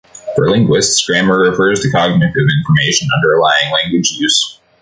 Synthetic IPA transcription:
fə̰˞lɪ̃ŋɡwɪstskɹæ̃mə˞ɹɨfɜ˞z̥tʰɨkʰɑɡ̚mɨ̃nʌvɪ̃ɱfə˞meɪʃɨ̃nʌ̰̃ndə˞laɪɪ̃ŋlæ̃ŋɡwɨd͡ʒjʉz̥

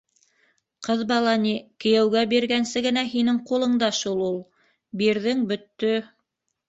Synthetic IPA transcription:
qɤðbɑlˠɑnikɘ̆jæwɡæbiɾɡænsɘɡɘ̆næɦinɘŋqulˠɤ̆ɴd̪ɑʃulˠulˠ | biɾðɘŋbɵ̆t̪ːɵ

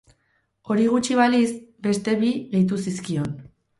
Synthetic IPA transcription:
o̞ɾiɣ̞ut͡ʃiβalisbe̞st̪e̞βiɣejt̪usiskio̞n

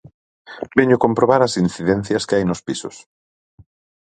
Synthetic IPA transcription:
beɲʊkompɾoβaɾɐsinθiðɛn̟θjɐskɪajnʊspisʊs

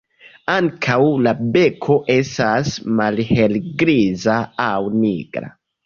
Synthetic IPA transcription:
aŋkʰawlabe̞kʰo̞ʔe̞stasmalhelɡɾizaawniɡɾa̰

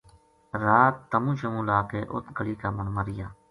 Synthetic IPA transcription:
ɾaːt̪ːəmũːʃəmũːlaːkeːʔʊ̰t̪ʰɡəɭiːkaːmənməɾɪjaː

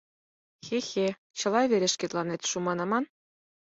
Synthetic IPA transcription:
xʲexʲe | ɕɤ̆lˠɑβʲeɾʲĕʂkʲet̪lˠɑnet̪ʲʃumɑnɑmɑn

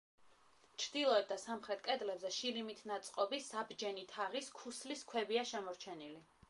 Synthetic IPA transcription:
t͡ʃʰɾd̪ilˠɔɛt̪̚d̪asamχɾɛt̪̚ʰkʼɛd̪lɛbzɛʃiɾimit̪ʰnat̪sʼqʼɔbisabd͡ʒɛnit̪ʰaʁiskʰusliskʰwɛbiaʃɛmɔɾt͡ʃʰɛnili

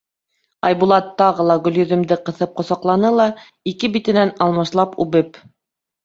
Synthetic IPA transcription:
ɑjβulˠɑt̪ːɑʁɤlˠɑɡɵ̆ljɵ̆ðɵ̆md̪ɘqɤ̆θɤp̚qŏsɑqlˠɑnɤlˠɑ | ikɘbit̪ɘ̆nænɑlˠmɑʃlˠɑpʉβɘp

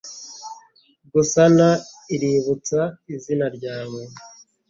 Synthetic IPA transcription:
ɡusanaiɾiβut͡saizinaɾɟaːŋwe

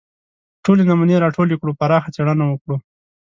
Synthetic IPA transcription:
ʈolenamaneɾɑʈʰolekɽupaɾɑxat͡seɽanawəkɽu

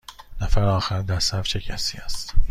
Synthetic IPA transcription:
næfæɾɒːxæɾd̪æɾsæfʃʰecʰæsḭːæst̪

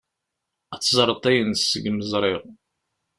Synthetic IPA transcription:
æt͡sːzˤɾˤət̪ˤːæjənsəɡməzˤɾˤɪʁ

